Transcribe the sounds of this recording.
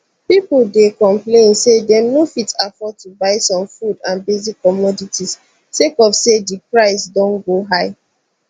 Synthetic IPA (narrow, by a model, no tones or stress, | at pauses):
pipldekɔ̃mplẽnsedɛnofitafɔtubaɪsɔ̃mfudãnbezikʰːɔmɔditʰis | sekɔfsedipɹaɪsdɔ̃nɡoɦaɪ